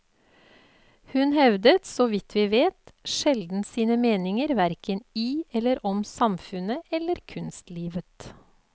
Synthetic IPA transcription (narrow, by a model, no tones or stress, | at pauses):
hʉnhɛʋd̪ət̪sɔʋɪt̪ʰʋiːʋeːt̪ʃɛld̪n̩siːnəmeːnɪŋəɾʋæɾkəniːɛləɾʔɔmsɑmfʉnəʔɛləɾkʰʉnst̪liːʋət̪